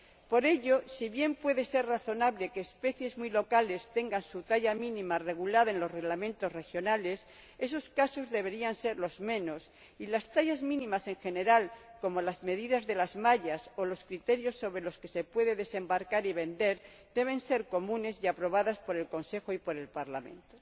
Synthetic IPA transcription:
po̞ɾe̞ʎo̞siβje̞mpwe̞ðe̞se̞ɾraθo̞naβle̞keːspe̞θje̞zmwilo̞kale̞st̪e̞ŋɡansut̪aʎamĩnĩmare̞ɣ̞ulaðaenlo̞sre̞ɣlamẽnt̪o̞sre̞xjo̞nale̞s | e̞s̬o̞skaso̞zðe̞βe̞ɾianse̞ɾlo̞zmẽ̞no̞s | ilast̪aʎazmĩnĩmase̞ŋxe̞ne̞ɾalko̞mo̞lazme̞ðiðazðe̞lazmaʎaso̞lo̞skɾit̪e̞ɾjo̞sːo̞βɾe̞lo̞ske̞̥se̞pwe̞ðe̞ðe̞se̞mbaɾkaɾiβe̞nd̪e̞ɾ | d̪e̞β̞e̞nse̞ɾko̞mũne̞sjapɾo̞β̞aðaspo̞ɾe̞lko̞nse̞xoipo̞ɾe̞lpaɾlamẽ̞̰nt̪o

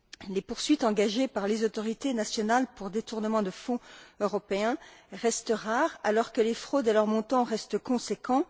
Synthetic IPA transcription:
lepuʁsɥit̪ɑ̃ɡaʒepaʁlezot̪ɔʁit̪enasjɔnalpuʁd̪et̪uʁnəmɑ̃d̪əfɔ̃øʁɔpeɛ̃ʁɛst̪əʁaʁalɔʁkəlefχod̪elœʁmɔ̃t̪ɑ̃ʁɛst̪əkɔ̃sekɑ̃

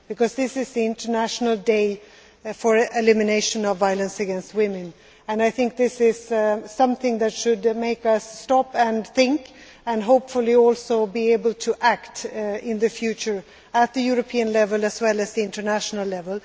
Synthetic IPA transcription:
b̥ɨkʰʌzðɪsɪzðiɪ̃ntə˞næʃn̩l̩ˠdeɪ | fə˞ɪlɪmɨneɪʃɨ̃nʌvaɪlˠə̃nsɨɡɛ̃nst̚wɪ̃mɨ̃n | ɨ̃naɪθɪ̃ŋk̚ðɪsɪz̥sʌ̃mθɪ̃ŋðɨtʃɨdmeɪkʌsːtɑpɨ̃nθɪ̃ŋk | ɨ̃nɦoʊpfʊlˠiɔlˠsoʊbieɪbəl̩ˠtʰɨʔæktɪ̃nðɨfjʉt͡ʃə˞ | ət̪̚ðɨjʊɹɨpʰiɨ̃nlɛvəl̩ˠɨzwɛlˠɨzðiɪ̃ntə˞næʃn̩l̩ˠlɛvəl̩ˠ

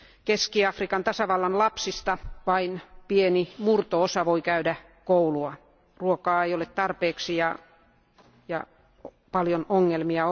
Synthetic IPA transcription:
keskiɑfrikɑnt̪ɑsɑʋɑlːɑnlɑpsist̪ɑʋɑinpienimurt̪oosɑʋoikæydæ | kouluɑ | ruokɑːeijolet̪t̪ɑrpeːksijɑ | jɑ̰ | pɑljonoŋːelmiɑ

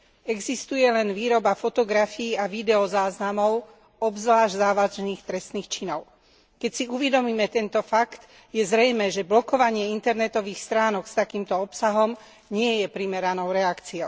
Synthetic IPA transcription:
ɛɡzist̪ujɛlɛnʋiːɾɔbafɔt̪ɔɡɾafiːaʋid̪ɛɔzaːznamɔʊ | ɔbzʋlaːʒɟzaːʋaʒniːxt̪ɾɛst̪niːxt͡ʃinɔʊ | kɛcsiuʋɛd̪ɔmiːmɛt̪ɛnt̪ɔfakt̪ | jɛzɾɛjmɛːʒɛblɔkɔʋaɲɪɛint̪ɛɾnɛt̪ɔʋiːxst̪ɾaːnɔkst̪akiːmt̪ɔɔpsaɦɔm | ɲɪɛjɛpɾimɛɾanɔʊɾɛakt͡siɔʊ

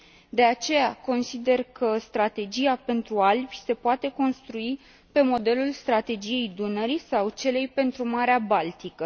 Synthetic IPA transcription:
d̪e̞at͡ʃe̞jako̞nsid̪e̞rkʰəst̪ɾat̪e̞d͡ʒijape̞nt̪ɾualbʲse̞poat̪e̞ko̞nst̪ɾui | pe̞mo̞d̪e̞lulst̪ɾat̪e̞d͡ʒije̞jd̪unəɾisawt͡ʃe̞le̞jpe̞nt̪ɾumaɾeabalt̪ikə

